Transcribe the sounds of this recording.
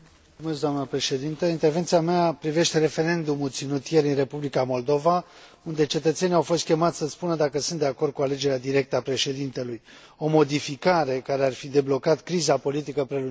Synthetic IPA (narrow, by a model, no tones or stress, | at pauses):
mulsums̬d̪oamnəpɾe̞ʃe̞d̪int̪əint̪e̞rve̞nt̪siameapɾive̞ʃt̪e̞ɾe̞fe̞ɾe̞nd̪umult̪sinut̪je̞ɾinre̞publikamo̞ld̪o̞va | und̪e̞t͡ʃe̞t̪ət̪se̞niawfo̞st̪̚kʲe̞mat̪sʲsəspunəd̪akəsunt̪d̪e̞ako̞rd̪̚kuale̞d͡ʒe̞ɾead̪iɾe̞k̚t̪əapɾe̞ʃe̞d̪int̪e̞luj | o̞mo̞d̪ifikaɾe̞kaɾearfid̪e̞blo̞kat̪kɾizapo̞lit̪̬ikəpɾe̞lu